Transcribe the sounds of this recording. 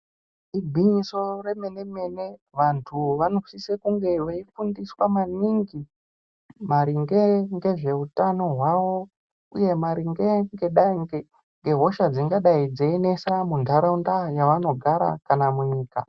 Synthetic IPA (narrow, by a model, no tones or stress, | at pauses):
ibʱiɲiso̞re̞me̞ne̞me̞ne̞ʋantʰuʋano̞sisekuŋɡe̞ʋeifundiswamaniŋɡi | maɾiŋɡeŋɡe̞ʐe̞utano̞ɦwawo̞ | ṵje̞maɾiŋɡeŋɡe̞ɗaiŋɡe | ŋɡe̞ɦo̞ʃad͡ziŋɡaɗaid͡zeːne̞samundʱaɾaundajaʋano̞ɡʱaɾa̰kanamuɲiːka̰